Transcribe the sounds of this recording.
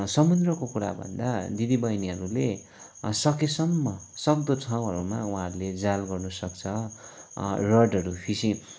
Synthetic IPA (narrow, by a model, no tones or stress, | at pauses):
sʌmund̪rʌkokuɾa̰bʱʌ̰nd̪ad̪id̪ibʌjniɦʌɾule | sʌkesʌmːʌsʌbd̪otʰaw̃ɦʌɾumaũɦãɾled͡zalɡʌrnusʌkt͡sʰʌ | rʌɖʌɾupʰisĩ